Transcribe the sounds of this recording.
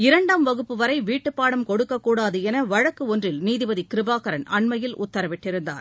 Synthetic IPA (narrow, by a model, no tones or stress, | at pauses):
ɪɾɐɳɖaːmʋɐɣɯpːɯʋɐɾɐɪʋiːʈːɯpːaːɽɐmkɔɽɯkːɐkːuːɽaːðɯɛnɐʋɐɻɐkːɯɔndrɪlniːðɪbɐðikɪɾɪbaːkɐɾɐnɐɳmɐjɪlʔʊ̰t̪ːɐɾɐʋɪʈːɪɾɯnd̪a̰ːɾ